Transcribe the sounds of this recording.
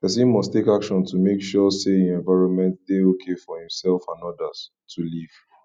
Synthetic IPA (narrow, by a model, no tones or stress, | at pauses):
pɛs̬ĩnmɔstekakʃɔ̃ntumekʃɔseĩnɛ̃ɱvaɪɹɔ̃nmɛ̃ntdeokʰefɔhĩmsɛlfãnɔdəz | tʰuliv̥